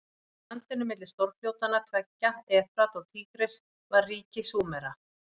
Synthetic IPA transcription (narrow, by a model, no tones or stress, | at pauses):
ant̪ɪnːʏmɪt̪lɪ̥st̪oɾfjowt̪anːat̪ʰvɛcːaɛːfɾat̪ɔɣt̪ʰiːkɾɪs | vaɾriːcɪsuːmɛɾa